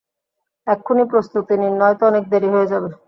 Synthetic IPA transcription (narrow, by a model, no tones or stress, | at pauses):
ɛkʰːonipɾost̪ut̪iniɾnːɔjt̪oɔnek̚d̪eɾiɦoed͡ʑabe